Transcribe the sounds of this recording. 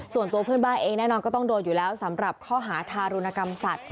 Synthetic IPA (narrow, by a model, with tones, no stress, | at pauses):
su˨˩ənt̪u˧ɐpʰɯː˥˩ənbaː˥˩nʔeː˧ŋnɛː˥˩nɔː˧nkɔː˥˩t̪ɔ˥˩ŋdoː˧t̪̚juː˨˩lɛː˦˥wsa˩˦mɾa˨˩p̚kʰɔː˥˩ɦaː˩˦t̪ʰaː˧ɾu˧na˧ka˧msa˨˩t̪̚